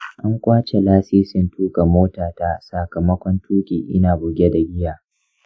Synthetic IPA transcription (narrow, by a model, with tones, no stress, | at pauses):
ʔa˦ŋkʷʼaː˦t͡ʃe˨laː˦siː˦sɪ˦ntʰuː˦ka˨moː˦taː˨taː˦˨sa˨kɐ˨mɐ˦kʷɔ˦ntʰuː˦kʲʼiː˨ʔɪ˦naː˨bʊ˨ɡʲe˦da˨ɡʲɪ˦jaː˨